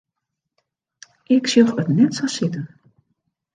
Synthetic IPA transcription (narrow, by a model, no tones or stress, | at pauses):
ʔɪksjoxətnɛtsasɪtən